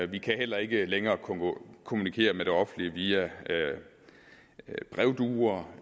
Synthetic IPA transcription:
ʋikʰæɦel̰ɐe̝ɡ̥əleŋɐːkʰkʰo̝munikʰe̝̰ːɐmeɾ̥e̝ɒ̽fn̩liəʋiæ | b̥ʁɛʊd̥uːɐ

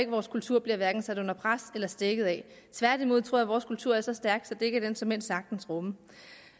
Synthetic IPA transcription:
e̝ɡ̥əʋɒːskʰult͡sʰuɐ̰b̥liɐʋæɐɡ̥n̩sæd̥ɔ̽n̰ɐpʰʁaselɐsd̥eɡ̥ð̩ˠɛ | t͡sʰʋæɐd̥imo̝ð̞̰ˠt͡sʰʁo̝ɐjæʋɒːskʰult͡sʰuɐ̰æɐsɒ̽sd̥æɐɡ̥sɒ̽d̥ee̝ɡ̥æd̥ensɒ̽men̰sɑ̈ɡ̥̚d̥n̩sʁɔ̽mə

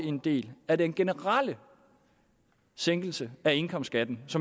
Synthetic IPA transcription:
end̥e̝̰ːlædenɡ̥e̝nəʁɑl̰ə | seŋ̰ɡ̥l̩səæe̝nkʰɒ̽msd̥ɡ̥æd̥n̩sɒ̽m

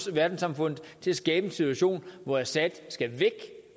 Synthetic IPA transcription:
ʋæɐd̥n̩sɑ̈mfɔ̽n̰ð̩ˠt͡sʰe̝læsɡ̥ɛːb̥əensit͡sʰuæɕo̝̰ːnʋɒæsæd̥sɡ̥æʋeɡ̥

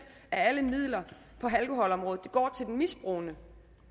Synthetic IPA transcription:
d̥ | ææləmið̰ˠlɐ | pʰɒ̽ɦælkʰo̝ɦɒ̽lɒ̽mʁɔ̽ːð̩ˠd̥eɡ̥ɒ̰ːt͡sʰe̝ld̥enmisb̥ʁoːnə

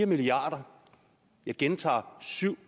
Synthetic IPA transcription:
ɐmiliɑ̈ːɾ̥ɐ | jɑ̈ɪɡ̥ent͡sʰɑ̰̈ːsyʊ̰

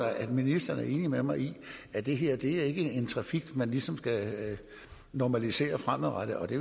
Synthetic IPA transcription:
ɑ̈ɪʔæd̥minisd̥ɐn̩æɐe̝ːnimemɑ̈ɪiæd̥e̝ɦe̝ɐ̰d̥e̝æɐe̝ɡ̥əe̝nt͡sʰʁɑ̈fiɡ̥mænlisɒ̽msɡ̥æ | nɒmælise̝̰ːɐfʁam̰ð̩ˠʁad̥əɒ̽d̥e̝

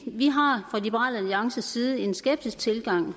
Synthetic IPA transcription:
ʋiɦɑ̈fʁɑ̈lib̥əʁɑ̰ːlæljɑ̈ŋsəsiːð̞ˠəe̝nsɡ̥eb̥̚d̥isɡ̥̚t͡sʰe̝lɡ̥ɑ̈ŋ̰

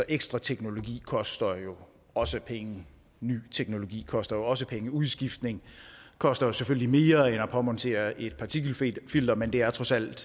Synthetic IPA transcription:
sɒ̽ʔeɡ̥sd̥ʁɑ̈t͡sʰeɡ̥no̝lo̝ɡ̥ḭːkʰɒ̽sd̥ɐjo̝ | ɒ̽səpʰeŋə | ny̰ːt͡sʰeɡ̥no̝lo̝ɡ̥ḭːkʰɒ̽sd̥ɐjo̝ɒ̽s̬əpʰeŋəuðˠsɡ̥ifd̥ne̝ŋkʰɒ̽sd̥ɐjo̝seføl̰əlime̝ːɐenɒpʰɒ̽mɒnt͡sʰe̝̰ɐʔe̝d̥̚pʰɑ̈t͡sʰiɡ̥l̩fild̥ɐmend̥e̝æɐt͡sʰʁɒ̽sæl̰d̥

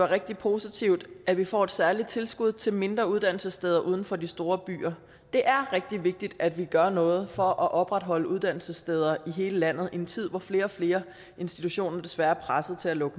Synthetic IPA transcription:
ʋɑ̈ʁeɡ̥̚d̥ipʰo̝sit͡sʰiʊd̥æ̥ʋifɒ̰ːe̝d̥sæɐlid̥̚t͡sʰe̝lsɡ̥uð̞̰ˠt͡sʰe̝lme̝nd̥ʁɐuð̞ˠd̥æn̰l̩səsd̥eð̞ˠɐʔuð̞ˠn̩fɒ̽d̥isd̥o̝ːɐb̥y̰ːɐ | d̥e̝ʔæɐʁeɡ̥̚d̥iʋe̝ɡ̥̚d̥id̥æd̥ʋiɡ̥ɶɐnɔ̽ːð̞̩ˠfɒ̽ʔæʔɒ̽b̥ʁad̥ɦɒ̽l̰əuð̞ˠd̥æn̰l̩səsd̥eð̞ˠɐiɦe̝ːləlæn̰ð̞̩ˠʔint͡sʰið̞̰ˠʋɒfle̝ːɐɒ̽fle̝ːɐ | e̝nsd̥it͡sʰuɕo̝̰ːnɐd̥e̝sʋæɐɐpʰʁasð̩ˠt͡sʰe̝lælɔ̽ɡ̥ə

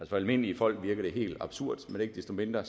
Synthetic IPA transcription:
æl̰sɒælme̝n̰əlifɒ̽l̰ɡ̥ʋiɐɡ̥ɐɾ̥e̝ɦe̝̰ːld̥ɑ̈b̥suɐ̰d̥mendee̝ɡ̥d̥esd̥o̝me̝nd̥ʁɐ

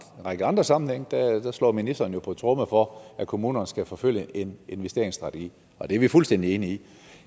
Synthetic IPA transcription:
ʁaɡ̥əɑ̈nd̥ʁɐsɑ̈mn̩heŋ̰d̥æd̥æslɒ̰ːminisd̥ɐːn̩jo̝pʰɒ̽t͡sʰʁɔməfɒ̽ækʰo̝muːnɐnsɡ̥æfɒ̽føl̰jəʔe̝ne̝nʋesd̥e̝ɐeŋsd̥ʁɑ̈dʰəɡ̥ḭː | ɒ̽d̥eæɐʋifulsd̥en̰d̥ie̝ːnəi

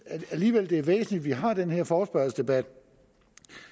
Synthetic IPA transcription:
æliːʋel̰d̥e̝æɐʋḛːsn̩lid̥ʋiɦɑ̈d̥enheɐ̰fɒːsb̥ɶɐl̩sd̥e̝b̥æd̥

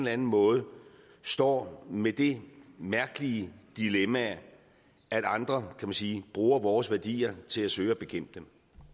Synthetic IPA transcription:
lænn̩mɔ̽ːð̞̩ˠ | sd̥ɒ̰ːmed̥e̝mæɐɡ̥əlid̥ilemæ | æɾ̥ɑ̈nd̥ʁɐkʰæmænsiːb̥ʁuːɐʋɒːsʋæɐd̥ḭːɐt͡sʰe̝læsøːɪɒb̥e̝kʰem̰b̥̚d̥em

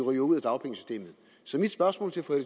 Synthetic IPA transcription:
ʁijouð̰ˠæd̥ɑ̈ʊpʰeŋəsysd̥e̝̰ːmð̩ˠ | sɒ̽mid̥sb̥ɶɐsmɔ̰lt͡sʰe̝æfɔ̽eɾ

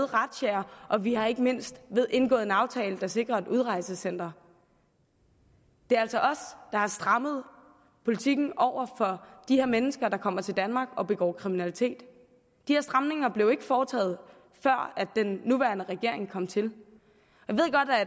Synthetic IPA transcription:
ð̩ˠʁɑd̥ɕæɐʔɒ̽ʋihɑ̈e̝ɡ̥əme̝n̰sd̥ʋe̝ðˠe̝nɡ̥ɔ̰ːð̩ˠenɑ̈ʊt͡sʰɛ̰ːləd̥ɑ̈se̝ɡ̥ʁɐe̝d̥uð̞ˠʁɑ̈ɪsəsen̰d̥ɐ | d̥e̝ææl̰sɒʔɒ̽sd̥ɑ̈hɑ̈sd̥ʁɑ̈məð̞ˠ | pʰo̝lit͡sʰiɡ̥n̩ʔɒʊ̰ɐfɒ̽d̥ihe̝ɐmenəsɡ̥ɐd̥ɑ̈kʰɒ̽m̰ɐt͡sʰe̝ld̥ænmɑ̈ːɡ̥ɒ̽b̥e̝ɡ̥ɒ̰ːkʰʁiminælit͡sʰe̝̰ːd̥ | d̥iheɐsd̥ʁɑ̈mne̝ŋɐb̥le̝ʊe̝ɡ̥əfɒːt͡sʰɛ̰ːð̞̩ˠ | fɶɐ̰æd̥ːenːuʋæːɐnəʁɛɡ̥e̝ɐ̰e̝ŋkʰɒ̽m̰t͡sʰe̝l | jaʋe̝ɡ̥ɒ̽d̥æ

